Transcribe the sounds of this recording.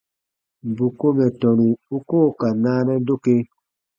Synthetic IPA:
m˨bu˨ko˦mɛ˨tɔ˨nu˨u˦ko˦˨ka˨naː˦nɛ˦do˦ke˦

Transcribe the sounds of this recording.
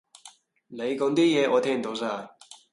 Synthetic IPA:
ne˨˧jkɔ˨˧˥ŋt̪iː˥jɛː˨˧ʔɔː˨˧t̪ʰɛː˥ŋm̩˨˩o˨˧ws̬aː˥˩

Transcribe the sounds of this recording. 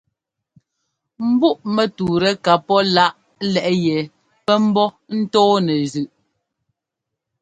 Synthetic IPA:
m̩˦bu˦˨ʔmɛ˨tuː˨ɾɛ˨ka˨pɔ˦la˦ʔ | lɛ˨ʔjɛ˨ | pɛ˦m̩˦bɔ˦ | n̩˦tɔː˦nɛ˨zʉ˨ʔ

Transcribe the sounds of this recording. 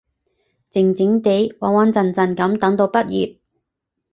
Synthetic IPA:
t͡sɪ˨˩ŋt͡sɪ˨˧˥ŋt̪e˨˥jwaː˨˩ŋwaː˨˧nt͡sɐ˨˩nt͡sɐ˨˩nkɐ˨˥mt̪ɐ˨˥ŋt̪o˧wpɐ˥t̚jḭː˨p̚

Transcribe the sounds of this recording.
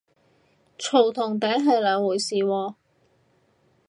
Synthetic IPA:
t͡ʃʰo˨˩wt̪ʰʊ˨˩ŋt̪ɛː˨˥ɦɐ˨jlɐː˨˧wuː˨˩jsiː˨wɔː˨˧

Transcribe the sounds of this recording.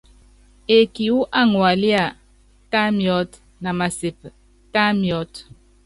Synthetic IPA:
e˨ki˨wu˦ʔa˦˨ŋwa˨li˦a˦˨ | ta˦mjɔ˦t | na˨ma˨se˨p | ta˦mjɔ˨˦t

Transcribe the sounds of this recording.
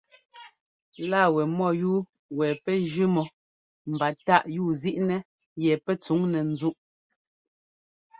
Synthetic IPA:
la˦˨wɛ˨mɔ˦˨juː˦ | wɛ˨pɛ˦d͡ʒʉ˦mɔ˨ | m̩˨ba˨ta˦ʔjuː˦˨zi˦ʔnɛ˦ | jɛ˨pɛ˦t͡su˨˦ŋnɛ˨n̩˦zu˦ʔ

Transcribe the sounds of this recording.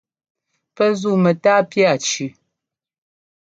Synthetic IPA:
pə˦zu˦˨mə˨taː˦pja˦˨t͡ʃʉ˨

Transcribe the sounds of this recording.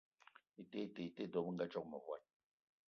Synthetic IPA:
i˨te˦˨te˨i˨te˦˨dɔ˨˦m˦ŋ̩˦ɡa˦t͡ʃɔ˦k̚mə˨βwa˦˨n

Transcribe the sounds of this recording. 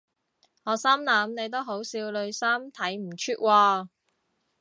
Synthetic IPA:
ŋɔː˨˧saː˥mlaː˨˥mne˨˧jt̪o˥wɦo˨˥wsiː˧wlɵ˨˧ɥsaː˥mt̪ʰɐ˨˥jm̩˨˩t͡ʃʰyː˥t̚waː˧

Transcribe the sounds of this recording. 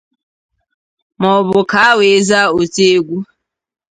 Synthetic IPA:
mɔ˨bʊ˨ka˦we˨˦za˦o˨te˦ɡʷu˦

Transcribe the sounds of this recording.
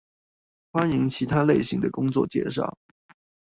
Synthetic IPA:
fwa˥ni˧˥ŋt͡ɕʰi˧˥t̪ʰa˥le˥˩ɪɕi˧˥ŋd̪ə˨kʊ˥ŋt͡swɔ̰˥˩t͡ɕjɛ̰˥ʂ̬ɑ̰˥˩ʊ

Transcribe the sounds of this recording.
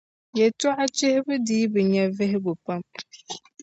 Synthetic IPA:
jɛ˨tɔ˦ʔa˦t͡ʃɪ˦hɪ˦bɨ˦diː˦bɨ˨ɲɛ˦vɪ˦ɦɪ˦ɡʊ˨pa˦m

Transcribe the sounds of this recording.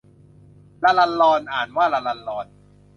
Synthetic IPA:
laː˧la˧nlɔː˧nʔaː˨˩nwaː˥˩la˧la˧nlɔː˧n

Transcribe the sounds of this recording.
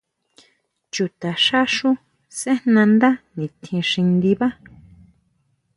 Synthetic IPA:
t͡ʃu˨t̪a˨ʃa˦ʂu˦ | sẽ˦nnã˧nd̪a˦nĩ˨t̪ʰĩ˧ʂĩ˧nd̪i˧βã˦

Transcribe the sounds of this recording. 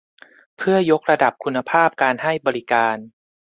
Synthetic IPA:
pʰɯ˥˩ɐjo˦˥k̚ɾa˧da˨˩p̚kʰu˧nːa˧pʰaː˥˩p̚kaː˧nha˥˩jbɔː˧ɾi˦kaː˧n

